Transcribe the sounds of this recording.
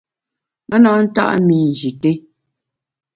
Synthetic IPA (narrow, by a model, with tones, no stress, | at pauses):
mɛ˦nɔ˨˦n̩˦ta̰˦ʔmi˨n̩˨d͡ʒi˨te˦